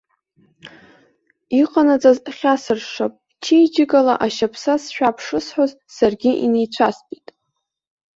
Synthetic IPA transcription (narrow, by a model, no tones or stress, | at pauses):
iqʼanat͡sʼazχʲasɨrʂapʼ | t͡ʃʰijd͡ʒɪkʼala̰ʔaʃapʰsasʃᶣapʰʂɨsħoz | sarɡʲɪʔinejt͡ɕʷʰaspʼitʼ